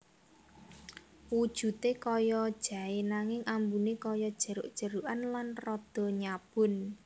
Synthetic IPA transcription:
wud̥ʒ̥ṳt̪ekɔjɔd̥ʒ̥ä̤enaŋɪŋʔambunekɔjɔd̥ʒ̥ə̤ɾʊ̰ʔd̥ʒ̥ə̤ɾuʔanlanrɔd̪̥ɔ̤ɲab̥ʊn

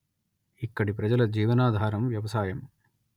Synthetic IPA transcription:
ikːɐɽip̬ɾɐd͡ʒɐlɐd͡ʒiːʋɐnaːd̪ʱaːɾɐmʋjɐʋɐsaːjɐm

